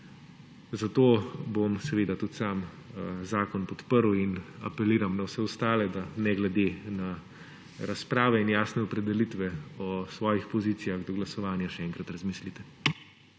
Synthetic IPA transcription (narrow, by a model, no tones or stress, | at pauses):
zat̪oːbomsɛʋeːd̪at̪ut̪saːm | zaːkɔnpɔt̪pəɾwina̰pɛliːɾamnawsɛɔst̪aːlɛd̪anɛɡlɛd̪ena | ɾaspɾaːʋɛinjaːsnɛɔpɾɛd̪ɛlit̪ʋɛɔsʋɔːjixpɔziːt̪sijaɣd̪ɔɡlasɔʋaːnjaʃɛɛŋkɾat̪ɾɐzmiːslit̪ɛ